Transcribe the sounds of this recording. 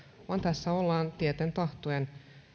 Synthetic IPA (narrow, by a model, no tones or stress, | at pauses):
ʋɑnt̪æsːæolːɑːnt̪iet̪ent̪ɑht̪oen